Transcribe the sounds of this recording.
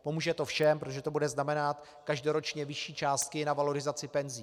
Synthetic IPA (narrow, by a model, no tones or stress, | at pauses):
po̞muːʒɛt̪ofʃɛmpɾot̪oʒɛt̪obudɛznamɛnat̪ | kaʒdo̞ɾo̞t͡ʃɲɛvɪʃiːt͡ʃaːst̪̚kɪnavalo̞ɾɪzat͡sɪpɛnziː